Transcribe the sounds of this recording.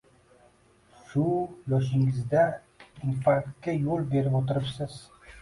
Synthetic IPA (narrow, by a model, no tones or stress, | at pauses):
ʃujɒʃ̬ɪŋɪzd̪a | impaɾt̪̚kʲːajolˠbe̞ɾɪpot̪ɪɾɪpsɪz̥